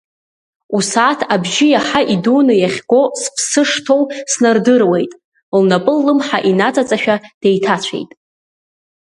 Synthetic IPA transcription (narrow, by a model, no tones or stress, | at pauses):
usaːtʰabʒɪjaħaʔiduːnɨjaχʲɡo̞spʰsɨʂtʰo̞wsnardɨrwejtʼ | lnapʼɨlːɨmħaʔinat͡sʼat͡sʼaʃᶣad̥ejtʰat͡ɕʷʰḛjtʼ